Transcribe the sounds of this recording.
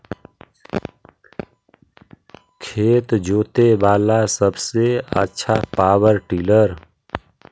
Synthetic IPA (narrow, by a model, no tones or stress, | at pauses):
kʰeːt̪d͡ʒoːt̪ebaːlasəbseə̰tːʃʰapaːwəɾʈiːləɾ